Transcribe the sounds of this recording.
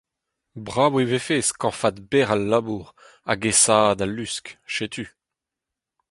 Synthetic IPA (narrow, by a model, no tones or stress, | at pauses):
bʁaːwevefeːskɑ̃fad̪bɛʁalːabuːʁ | a̰ɡesaːd̪alːyskʃet̪ʰy